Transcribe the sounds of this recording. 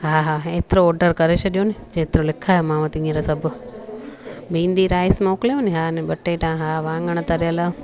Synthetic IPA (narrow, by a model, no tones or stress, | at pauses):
ɦaːɦaːeːt̪ɪɾoɔːɾɖəɾkɐɾet͡ʃʰeɗijonid͡ʒeːt̪ɪɾolɪkʰaːjomãːʋãt̪ĩːəɾasɐbʊ | bĩːnɗiɾaːɪsmãːkleʋoniɦaːneɓɐʈːeʈãɦaːʋãːŋɡəɽ̃t̪ɐɾɪjəla